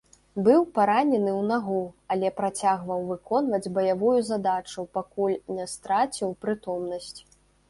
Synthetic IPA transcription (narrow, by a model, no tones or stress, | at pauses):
bɨwpaɾanʲɛnɨwnaɣuɐlʲɛpɾat͡sʲaɣvɐwvɨkɔnvɐd͡zʲbɐjavujuzad̪at͡ʂupakulʲnʲɛst̪ɾat͡sʲiwpɾɨt̪ɔmnɐsʲt͡sʲ